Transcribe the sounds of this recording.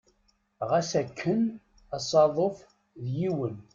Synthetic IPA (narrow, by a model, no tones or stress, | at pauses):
ʁæsækʰːən | ɑsˤɑðˤof | ðjiwən